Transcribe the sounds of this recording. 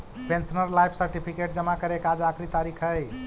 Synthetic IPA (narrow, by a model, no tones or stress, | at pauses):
pensənəɾlajpʰsəɾʈipʰikeʈ̚d͡ʒəmakəɾekad͡ʒakʰɾit̪aɾikʰəj